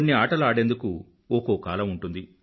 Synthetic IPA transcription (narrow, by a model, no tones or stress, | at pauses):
nːiaːʈɐlaːɽe̞nd̪uku | okoːkaːlɐmuɳʈund̪i